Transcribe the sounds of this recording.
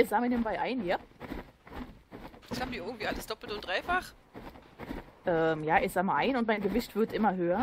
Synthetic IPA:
ɪçz̥aːməɐneːbm̩baɪʔaɪnjaː | ashaːbm̩iɐɪɡŋ̩tv̥iːʔaləsd̥ɔpl̩tʊnd̥ʁaɪfaχ | ʔɛːmjaːʔɪçz̥aːməʔaɪnʊntmaɪnɡəvɪçtv̥ɪɐtʔɪmɐɦøːɐ

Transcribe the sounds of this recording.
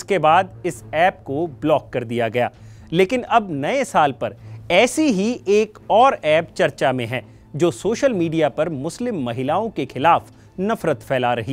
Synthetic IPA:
skebaːd̪ɪsɛːp̚koblɔːkːɐɾd̪ijaɡɐja̰ː | leːkɪnɐbnɐesaːlpɐɾɛːsiɦieːkɔːɾɛːp̚t͡ʃɐɾt͡ʃamẽɦɛ̃ː | d͡ʒoːsoːʃəlmiːɖijapɐɾmʊslɪmːɐɦɪlaːõkexɪlaːf | nɐfɾət̪fʰɛːlaɾɐɦi

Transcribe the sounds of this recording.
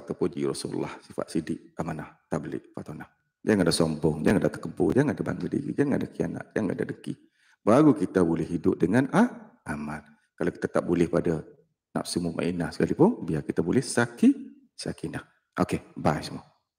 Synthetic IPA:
aʔt̪awpod͡ʒḭɾɔsuɾṵlːahsifa̰t̪̚sidɪʔamanaht̪aʔbəlɪ̰ʔfat̪onah | d͡ʒaŋadahsɔmbɔŋd͡ʒaŋadat̪əkəmpʊ̰d͡ʒaŋadaba̰ŋɡədḭɾḭd͡ʒaŋadakia̰na̰ʔ̪̚d͡ʒaŋa̰da̰dəŋkḭ | baɣukit̪abolɛhidʊp̚dəŋanahʔaman | kalaki̥t̪at̪ap̚bulɛhpada | na̰p̚simumʔa̰ʔinahsə̥kalipʊnbiakit̪abolɛhsaki | sa̰kinah | ʔokebajsəmu

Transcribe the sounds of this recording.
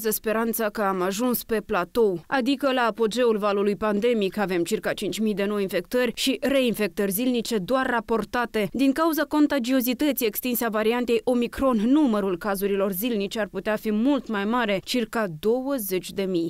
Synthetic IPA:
zəspe̞ɾant̪sakəamaʒunspe̞plat̪o̞wad̪ikəlaːpo̞d͡ʒe̞ulvalulujpand̪e̞mikave̞mt͡ʃirkat͡ʃint͡ʃʲmijd̪e̞no̞jinfe̞k̚t̪ərʲʃire̞infe̞k̚t̪ərʲzilnit͡ʃe̞d̪oarːapo̞rt̪at̪e̞d̪iŋkauzako̞nt̪ad͡ʒio̞zit̪ət̪sije̞kst̪inseavaɾiant̪e̞jʔo̞mikɾo̞nːuməɾulkazuɾilo̞rzilnit͡ʃearput̪eafimult̪majmaɾe̞t͡ʃirkad̪o̞wəze̞t͡ʃʲd̪e̞mij

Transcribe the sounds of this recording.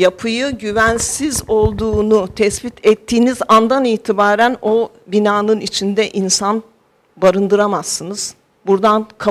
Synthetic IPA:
japʰɯjɯɟyvænsizo̞lˠd̪uːnut̪ʰɛsbit̪ʰɛt̪ʰːiːnizand̪aniːt̪ʰibaːɾæno̞ | binaːnɯnit͡ʃʰind̪ɛʔinsan | baɾɯnd̪ɯɾamasːɯnɯz̥ | buɾd̪ankʰa

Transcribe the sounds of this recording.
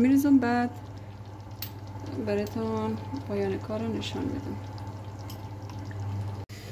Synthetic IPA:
miɾizumbæːd̪ | bæɾɔt̪ʰɔnpʰɒːjɒːnekʰɒːɾɑneʃɒ̰nmḭd̪æ̰m

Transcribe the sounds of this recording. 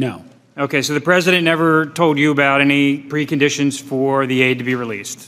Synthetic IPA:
noʊ | oʊkʰeɪsoʊðɨpʰɹ̥ɛzɨɾɨ̃nnːɛvə˞tʰoʊlˠd͡ʒɨəbaʊɾɛñipʰɹ̥ikɨ̃n̩dɪʃɨ̃nz̥fə˞ðieɪd̚tɨbiɹilḭst̚

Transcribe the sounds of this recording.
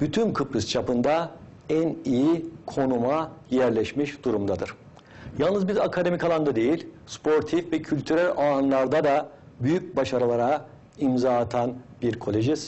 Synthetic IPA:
byt̪ʰynkʰɯpɾɯst͡ʃʰapɯnd̪a | ænijikʰo̞numajæɾlʲɛʃmiʃd̪̥uɾumd̪ad̪ɯɾ̥ | jalˠnɯzbiɾakʰad̪e̞mikʰalˠand̪ad̪e̞jilʲspʰo̞ɾt̪ʰifvɛcʰylʲt̪ʰyɾælʲanlˠaɾd̪ad̪a | byjyc̚baʃaɾɯlˠaɾa | imzaːat̪ʰanbiɾkʰo̞lʲeʒis

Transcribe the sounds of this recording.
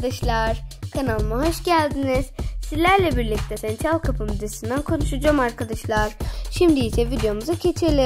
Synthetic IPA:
d̪aʃlˠaɾ̥kʰanalˠmaɦo̞ʃɟælʲd̪iniz̥sizlʲæɾlʲɛbiɾlʲic̚t̪ʰɛsɛnt̪ʰɾalˠkʰapʰɯmyd̪esind̪ænkʰo̞nuʃud͡ʒaːmaɾkʰad̪aʃlˠaɾ̥ʃimd̪iit͡ʃʰɛvid̪ejo̞muzacʰe̞t͡ʃʰiɾlʲe

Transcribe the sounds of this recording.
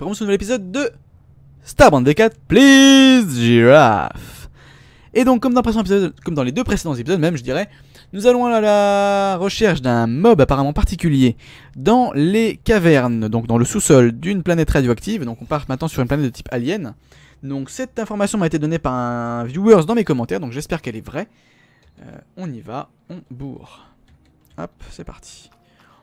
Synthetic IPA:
ʁɛmɑ̃sənuvɛlepizɔd̪ːə | st̪aʁbɑ̃nd̪ekat̪plizʒiɹa̰f | ed̪ɔ̃kːɔmd̪ɑ̃pχesẽepizɔd̪kɔmd̪ɑ̃led̪øpχesed̪ɑ̃zepizɔd̪mɛmʒəd̪iʁɛ | nuzalɔ̃aalaʁəʃɛʁʃd̪ɛ̃mɔbapaʁamɑ̃paʁt̪ikʲylje | d̪ɑ̃lekavɛʁnd̪ɔ̃k̚d̪ɑ̃ləsusɔld̪ynplanɛt̪χad̪joakt̪ivd̪ɔ̃kɔ̃paʁt̪mɛ̃t̪nɑ̃syʁynplanɛt̪d̪ət̪i̥pʰaljɛn | d̪ɔ̃ksɛt̪ɛ̃fɔʁmasjɔ̃aet̪ed̪ɔnepaʁɛ̃vjuœʁsd̪ɑ̃mekɔmɑ̃t̪ɛʁd̪ɔ̃kʒɛspɛʁkɛlɛvʁɛ | ø̰ɔ̃niva | ɑ̃bṵʁ | a̰psɛpaʁt̪ʰi̥

